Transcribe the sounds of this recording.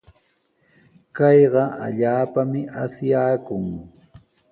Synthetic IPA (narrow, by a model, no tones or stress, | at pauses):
kɑjɢɑʔa̰ʎaːpamɪʔasjaːkʊŋ